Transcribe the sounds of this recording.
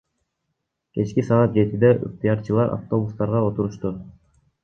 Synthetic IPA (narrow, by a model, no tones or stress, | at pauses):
ke̞t͡ʃkisɑʁɑt̪̚d͡ʒe̞t̪id̪eʔɯ̰ft̪ijɑɾt͡ʃɯlˠɑɾʔa̰ft̪o̞bust̪ɑɾʁɑo̞t̪uɾuʃt̪u